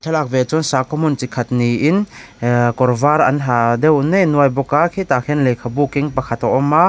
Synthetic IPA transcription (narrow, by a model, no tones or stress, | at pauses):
t̪ʰɛlak̚vɛt͡sʊnsakɔmʊnt͡sikʰat̪̚niʔin | kɔrvaɾɐ̰nɦad̪ɛwnɛnuajbɔkakʰit̪akʰɛnlɛjkʰabukiŋpakʰat̪ɔʔɔmːa